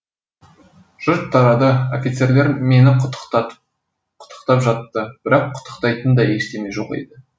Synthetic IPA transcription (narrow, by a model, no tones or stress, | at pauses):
ʒ̥ʊɾt̪ʰːɑɾɑd̪əo̞fʲit̪se̞ɾle̞ɾme̞nɪ | qʰʊ̥t̪ːə̥qt̪ɑpʒɑt̪ːəb̥ɪɾɑqʰːʊ̥t̪ʰːə̥qt̪ɑjt̪ənd̪ɑeʃt̪e̞me̞ʒo̞qḛjd̪ɪ